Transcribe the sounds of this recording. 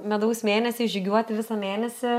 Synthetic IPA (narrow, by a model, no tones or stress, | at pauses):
mʲɛd̪ɐʊsmʲeːnʲɛsʲɪʒʲɪɡʲuɔt̪ʲɪʋʲɪsɐmʲeːnʲɛsʲɪ